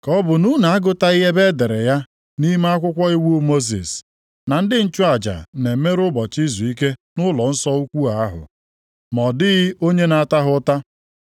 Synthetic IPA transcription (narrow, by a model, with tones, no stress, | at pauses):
kɔ˦bʊ˨nu˦na˨a˦ɡʊ˦ta˦i˦ɦe˦be˦de˨ɾe˨ja˦ | ni˦m˦a˦kʷʊ˦kʷɔ˦i˦wu˦mo˦z̬ḭ˨s | na˨n̩˦dɪ˦n̩˦t͡ʃʊ˦a˨d͡ʒa̰˨ne˨˦me˦ɾʊ˦bɔ˨t͡ʃi˦zu˨i˦ke˦nʊ˦lɔ˨n̩˦sɔ˦u˦kʷu˦a˨a˦ɦʊ̰˨ | mɔ˨dɪ˦ɣɪ˦o˦ɲe˦na˨a˦˨ta˦ɦʊ˦ta˦